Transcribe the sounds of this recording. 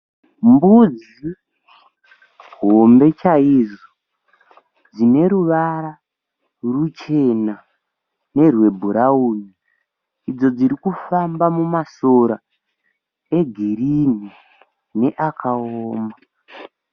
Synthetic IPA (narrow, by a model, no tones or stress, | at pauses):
mbud͡z | i | ɦo̞mbe̞t͡ʃaiʐo | d͡zine̞ɾuʋaɾa | rut͡ʃe̞na | ne̞rwe̞bʱuɾauːni | id͡zo̞d͡ziɾikufambamumasoɾa | e̞ɡʱiɾini | ne̞ʔakʰaoːma